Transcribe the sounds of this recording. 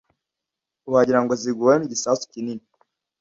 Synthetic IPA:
uhaɟiɾaŋɡoziɡuwaemiɟisaːsu̥cinini

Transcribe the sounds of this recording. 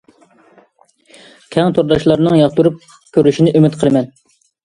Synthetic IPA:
kʲʰɛŋt̪ʰoɾd̪ɑʃlˠɑɾnɨŋjɑχt̪uɾup̚ | kʲʰøɾyʃinɪʔymɪt̪qʰəlˠɨmɛn

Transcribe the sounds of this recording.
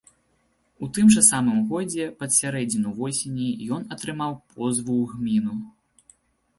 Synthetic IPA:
ut̪ɨmʐɐsamɨmɣɔd͡zʲɛpɐt̪sʲaɾɛd͡zʲnʲinuvɔsʲenʲijɔnɐt̪ɾɨmawpʰɔzvuɣmʲinu

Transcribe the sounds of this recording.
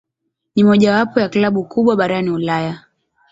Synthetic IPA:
nimɔʄawapɔjaklaɓukuɓwaɓaɾaniulaja

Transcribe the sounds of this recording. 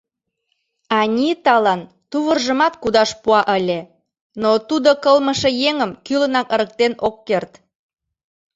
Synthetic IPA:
ɑnʲit̪ɑlɑn | t̪uβərʒəmɑt̪kud̪ɑʃpuɑʔəlʲe | not̪ud̪okəlməʃejeŋəmkylənɑkəɾək̚t̪enokːert̪

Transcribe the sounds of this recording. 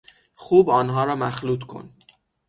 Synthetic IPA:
xuːbɒːnɦɒːɾɒːmæxluːt̪ʰkʰo̞̰n

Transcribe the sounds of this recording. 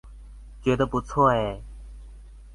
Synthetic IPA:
keːt̪oːput͡sʰoːɦeː

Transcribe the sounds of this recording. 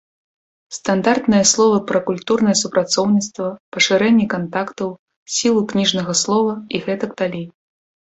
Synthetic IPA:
st̪and̪art̪nɨjɐslˠɔvɐpɾɐkulʲt̪urnɐjɛsupɾat̪sɔwnʲit̪st̪vɐpɐʂɨɾɛnʲːɛkant̪akt̪ɐw | sʲilˠuknʲiʐnɐɣɐslˠɔvɐiɣɛt̪ɐkd̪alʲi

